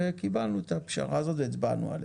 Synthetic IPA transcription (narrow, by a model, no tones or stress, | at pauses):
ekibalnuet̪apʃa̰ʁaazo̞t̪veit͡sba̰nṵa̰l